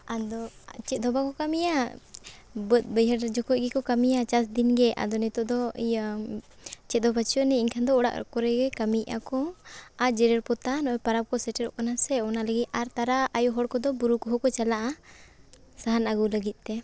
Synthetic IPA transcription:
ad̪ɔt͡ʃɛt̪̚ˀd̪ʱɔbakɔkamija | bət̪̚bəjɦəɾd͡ʒɔkɔʔ̚ɡɛkɔkamijat͡ʃasd̪inɡɛa̰d̪ɔnɛt̪ɔʔd̪ɔj | t͡ʃɛt̪̚d̪ɔbat͡ʃʰɔʔnɛiɲkʰand̪ɔɔɽa̰ʔkɔɾɛɡɛkamiʔa̰kɔad͡ʒɛɾɛɾpɔt̪anɔɔpaɾap̚kɔsɛʈɛɾɔ̰ʔkanasɛɔnaləɡit̪̚aɾt̪aɾaajɔɦɔɽkɔd̪ɔbuɾukɔɦɔkɔt͡ʃalaʔa | saɦanaɡuləɡit̪̚ˀt̪ɛ

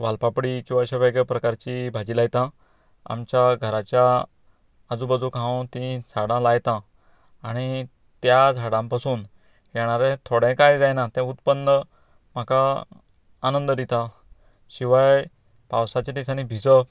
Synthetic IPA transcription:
ʋalpapɽikĩw̃aəɕaʋəjɡəpɾəkaɾt͡ɕibʱad͡ʑiːlajt̪ã | a̰mt͡ɕjaɡʱəɾat͡ɕja | əd͡zubəd͡zukãwt̪ĩd͡zʱaɽãlajt̪ã | aɽ̃i | t̪jad͡zʱaɽãmpasuːn | jɛɽ̃aɾẽt̪ʰoɽɛ̃kajd͡zajnat̪ɛ̃ut̪pənːə | m̤akaː | nənd̪əd̪it̪a | ɕiʋaj | pawsat͡ɕat̪isañibʱit͡sə

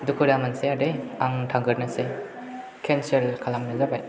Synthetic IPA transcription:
dukʰuɾamanseadeaŋtʰaŋɡəɾnase | kʰenselkʰalamnazabaj

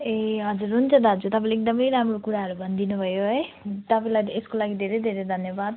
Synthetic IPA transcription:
eɦʌd͡zuɾɦunt͡sʰʌd̪ʱad͡zut̪ʌpãleːk̚d̪ʌmʌjɾamrokuɾaɦʌɾubʱʌnd̪inubʱʌjoɦʌj | t̪ʌpãlad̪ieskolaɡid̪ʱeɾejd̪ʱeɾejd̪ʱʌnjʌbad̪̚

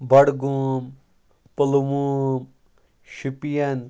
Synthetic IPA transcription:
bɐɽɡum | pəlmuːm | ʃipijɐn

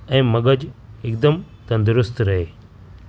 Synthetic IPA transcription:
ɛ̃ːmɐɡəd͡ʑɪkd̪əmt̪ɐ̃nd̪ʊɾʊst̪ɾɐɦeː

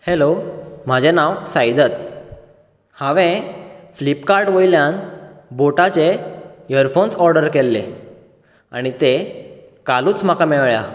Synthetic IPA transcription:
helom̤ad͡ʑenawsajd̪ət̪ | hãʋẽflipkaɾɖʋojljãnboʈat͡ɕejəɾfonsɔɾɖəɾkelːḛ | a̰ɽ̃it̪e | kaluːt͡sm̤akamɛɭɭja̰

